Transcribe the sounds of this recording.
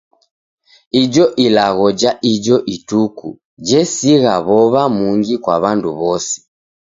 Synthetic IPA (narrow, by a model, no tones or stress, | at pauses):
id͡ʒɔʔilaɣɔd͡ʒaid͡ʒɔʔitukṵ | d͡ʒɛsiɣaβɔβamuŋɡikwaβanduβɔsɛ̥